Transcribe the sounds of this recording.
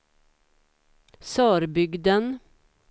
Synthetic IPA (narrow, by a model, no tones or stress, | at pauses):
sɑːɾbʏɡd̪ən